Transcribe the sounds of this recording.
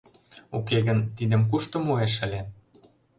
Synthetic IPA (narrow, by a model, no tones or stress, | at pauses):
ukeɣə̆nt̪id̪ə̆mk̬uʃt̪ɤ̆mueʃə̆lʲe